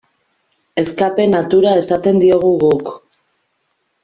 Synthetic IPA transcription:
e̞skape̞nat̪uɾae̞sat̪e̞nd̪io̞ɣ̞uɣuk

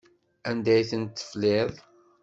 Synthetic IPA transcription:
ænd̪æjθənt̪ːə̥flɪðˤ

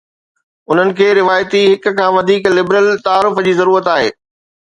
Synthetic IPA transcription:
ʊn̤ənɪ̆kʰeːɾɪʋaːjt̪iɦɪk̆kʰãːʋɐd̪ʱiːklɪbɾəlt̪aaːɾʊfd͡ʑiːzɐɾuːɾət̪aːɦḛː

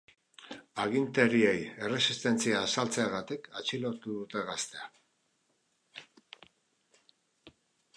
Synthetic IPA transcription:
aɣ̞int̪e̞ɾie̞je̞re̞sist̪e̞nt͡siaːsalt͡se̞aɣ̞at̪ekat͡ʃilo̞ɾt̪uðut̪e̞ɣast̪e̞a

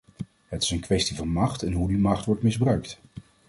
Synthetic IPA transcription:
ɦətɪ̥sənkʋɛstivɑnmɑχtɛnɦudimɑχtʋɔɹtmɪzbrœɥkt

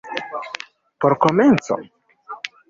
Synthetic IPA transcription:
poɾkoment͡so̞̰

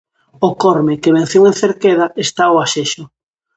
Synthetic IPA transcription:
okɔɾmɪkeβẽn̟θjewen̟θeɾkeð̞aest̪aoaʃeʃʊ

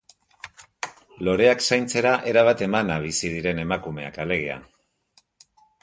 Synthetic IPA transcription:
lo̞ɾe̞aksajnt͡se̞ɾaʔe̞ɾaβ̞at̪e̞manaβ̞isið̞iɾe̞ne̞makume̞̰a̰kale̞ɣ̞ea̰

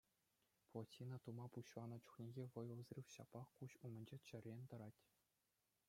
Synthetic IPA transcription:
plˠotʲːinɑt̪umɑpuɕʋɑnɤ̆t͡ɕu̥χnʲeɡʲeʋɤ̆jɤ̆lˠzrʲifɕɑpɑχkuɕumɘ̆nʲd͡ʑet͡ɕɘ̆rʲːenʲt̪ɤ̆ɾɑtʲ

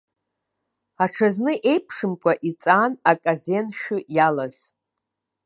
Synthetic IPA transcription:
aʈ͡ʂʰaznɨʔe̞jpʰʂɨmkʷʼaʔit͡sʼaːnakʼaze̞nʃᶣʊjalaz̥

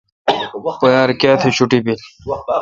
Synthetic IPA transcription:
pojaːɾkaːt̪ʰeɕʰuʈibil

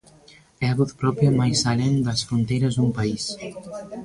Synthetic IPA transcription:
ɛaβut̪pɾɔpjamajsalend̪ɐsfɾunt̪ejɾɐzd̪umpais

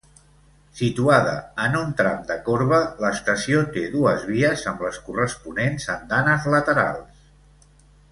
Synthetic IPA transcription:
sit̪uaðə̰ənunt̪ɾa̰md̪əkoɾβələst̪əsiot̪eðuəzβ̞iəzəmbləskurəspunenzənd̪anəzlət̪əɾa̰lˠs

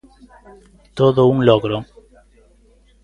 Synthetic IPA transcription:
t̪oðouŋloɣɾo

